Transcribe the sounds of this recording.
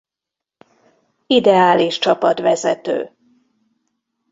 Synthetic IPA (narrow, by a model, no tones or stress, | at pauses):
id̪ɛaːliʃt͡ʃɒpɒt̪ʋɛzɛt̪ø̰ː